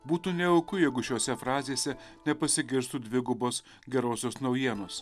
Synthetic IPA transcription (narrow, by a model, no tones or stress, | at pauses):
buːt̪uːnʲɛɔʊkʊjɛɪɡʊʃʲoːsʲɛfɾɑːzʲeːsʲɛnʲɛpɐsʲɪɡʲɪɾst̪uːd̪ʲʋʲɪɡʊboːs | ɡʲɛɾoːsʲoːsnɒʊjiɛnoːs